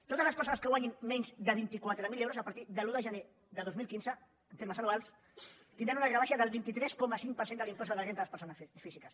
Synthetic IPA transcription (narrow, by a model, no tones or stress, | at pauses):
t̪ot̪əzləspəɾsonəskəɣwaɲinmɛɲzd̪əβ̞int̪ikwat̪ɾəmilewɾuzəpəɾt̪iðəluðəʒəne | ðəðozmilkinzə | ənt̪eɾməsəlualˠs | t̪ind̪ɾanunəɣɾəβaʃəðəlˠβint̪it̪ɾɛskɔməsiŋk̚pəɾsenəlĩmpɔs̬uðəʒenələspəɾsonəsfizikəs